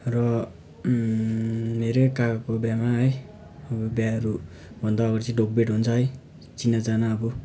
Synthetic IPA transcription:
rʌ | meɾekakakobjamaɦʌj | ʌbubjaʌɾu | bʱʌnd̪ʌːɡʌɾt͡sʰĩɖok̚beʈɦunt͡sʰʌɦʌj | t͡sinːad͡zanaːbu

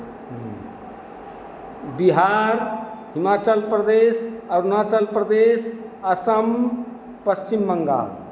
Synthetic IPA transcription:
biɦaɾɦimat͡ʃəlpɾəd̪esəɾunat͡ʃəlpɾəd̪es | əsəm | pəst͡ʃimbəŋɡa̰ː

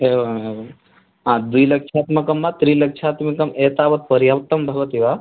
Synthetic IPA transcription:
eːʋe | ɦãːd̪uilɐkʂʰaːt̪mɐkɐmːat̪ɾiːlɐkʃʰaːt̪mɐkɐmeːt̪aːʋɐt̪̚pɐɾjamt̪ːɐmbʱɐɡʋɐt̪iʋaː

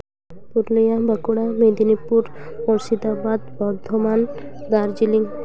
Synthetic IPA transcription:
puɾlijabakuɽamed̪inipuɾmɔɾsid̪abad̪bɔɾd̪ʱomand̪aɾd͡ʒiliŋ

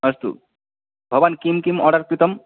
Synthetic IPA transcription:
ʌst̪ṵ | bʱʌbankimkimɔɽaɾkɾit̪ɔm

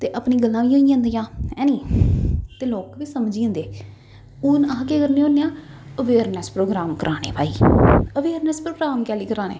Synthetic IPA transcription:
t̪eːʔəpniːɡəlːãːʋiːoːiãːnd̪ijãːɛ̃ːniː | t̪eːloːkʋiːsəmd͡ʒiːə̃nd̪eː | ʊnəãːkeːkəɾneːõːnːeːãː | əʋeːɾnəspɾoːɡɾaːmkəɾʔaːnḛːpaːḭːəʋeːɾnəspɾoːɡɾaːmkɛːliːkəɾaːnḛː

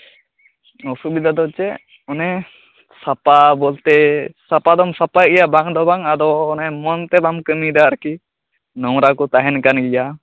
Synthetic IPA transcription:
ɔsubid̪ʱad̪ɔt͡ʃɛ | ɔnɛ | sapabɔlt̪ɛsapad̪ɔmsapaɡɛjabaŋd̪ɔbaŋad̪ɔːnɛmɔnt̪ɛbamkəmid̪aɾki | nɔwɾakɔt̪aɦɛnkanɡɛja

